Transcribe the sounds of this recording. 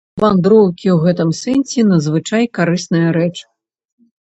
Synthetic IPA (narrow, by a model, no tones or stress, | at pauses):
vand̪ɾɔwkʲiwɣɛt̪ɨmsɛnʲsʲɛnɐzvɨt͡ʂajkaɾɨsnɐjɐɾɛt͡ʂ